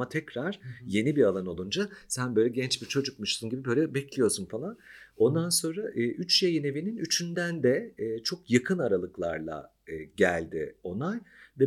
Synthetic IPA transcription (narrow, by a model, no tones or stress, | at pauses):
at̪ʰɛcɾaɾ̥je̞nibiɾalˠano̞lˠund͡ʒasænbø̞jlʲɛɟɛnt͡ʃbiɾt͡ʃʰo̞d͡ʒuk̚muʃt̪ɯnɟibibø̞jlʲɛbɛclʲijo̞sunfalˠano̞nd̪anso̞nɾaʔɯːʔyt͡ʃjejine̞vininyt͡ʃʰynd̪ænd̪ɛːt͡ʃʰo̞kjakʰɯnaɾalˠɯklˠaɾlˠa̰ | ɯːɟælʲd̪ɪo̞najvɛ